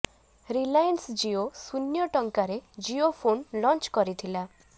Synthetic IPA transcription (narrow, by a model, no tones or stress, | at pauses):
ɾilajənsd͡ʒiosunjɔʈɔŋkaɾed͡ʒiopʰonlɔnt͡ʃkɔɾit̪ʰila